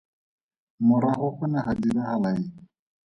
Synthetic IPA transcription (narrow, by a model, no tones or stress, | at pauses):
mʊɾaχʊχʊnaχadilahalai